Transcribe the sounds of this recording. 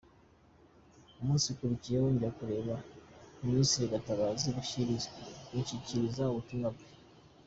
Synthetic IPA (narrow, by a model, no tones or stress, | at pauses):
umuːnsikuɾucijewoɲɟiɾakuɾe̞ːβauminisiɾiɡataβaːziβuʃiɾizḁiɲciciɾizauβutuŋɡabɡe